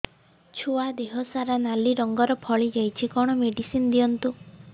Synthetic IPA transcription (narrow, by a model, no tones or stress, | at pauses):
t͡ʃʰuad̪eɦɔsaɾanaliɾɔŋɡɔɾɔpʰɔɭid͡ʒajt͡ʃʰikɔɽ̃ɔmeɖisinɔd̪ijɔnt̪u